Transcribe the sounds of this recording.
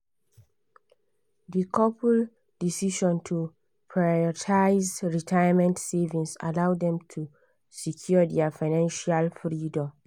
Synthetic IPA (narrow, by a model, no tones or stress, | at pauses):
dikʰɔpʰul | d̥isiʃɔ̃ntʰu | pʰɹaɔtʰaɪzɹitʰajəmɛ̃ntsevĩŋsa̰lawdɛ̃mtʰu | sikʰjɔdɛafaɪnãnʃalfɹidɔ̃m